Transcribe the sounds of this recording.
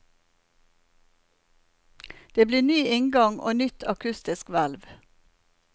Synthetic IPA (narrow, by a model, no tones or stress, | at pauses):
d̪̥eːbliːnyːʔɪŋɡɑŋo̰ːnʏt̪ʰɑkʰʉst̪ɪskʋælʋ